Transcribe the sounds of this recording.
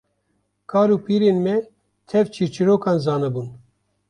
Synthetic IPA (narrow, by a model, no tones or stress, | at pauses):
kʰɑːɾuːpʰiːɾeːnmɛ | t̪ʰɛvt͡ʃʰiɾt͡ʃʰiɾoːkɑːnzɑːnɨbuːn